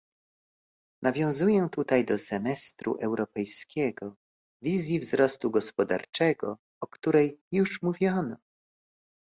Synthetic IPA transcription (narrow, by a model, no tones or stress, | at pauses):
nʔavʲjɔ̃w̃zujɛt̪ut̪ajd̪ɔsɛmɛst̪ɾṵʔɛwɾɔpɛjskʲɛɡɔ | vʲizʲjivzɾɔst̪uɡɔspɔd̪a̰ɾt͡ʂɛɡɔ | ɔkt̪uɾɛjːuʂmuvʲjɔnɔ